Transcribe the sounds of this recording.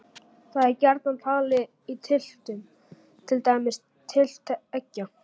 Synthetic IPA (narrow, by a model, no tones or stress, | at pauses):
θaðɛɾcɛɾt̪nant̪ʰaːɣlɪ | it̪ʰɪl̥t̪ʏn | t̪ʰɪlt̪aːjmɪs | t̪ʰːɪl̥t̪ʰɛcːa